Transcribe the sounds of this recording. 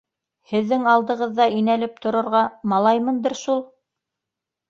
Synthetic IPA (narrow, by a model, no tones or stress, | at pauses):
hɘ̆ðːɘŋɑlˠd̪ɤ̆ʁɤ̆ðːɑinælɘp̚t̪ʰŏɾɤ̆ɾʁɑmɑlˠɑjmɤnd̪ɤ̆ɾʃulˠ